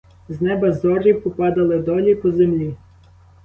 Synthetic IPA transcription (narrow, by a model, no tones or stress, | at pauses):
znɛbɐzɔrʲiwpɔpɑd̪ɐlˠɪd̪ɔlʲipɔzemlʲi